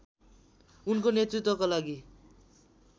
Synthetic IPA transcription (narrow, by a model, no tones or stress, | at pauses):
unkonet̪rit̪wʌkolaɡi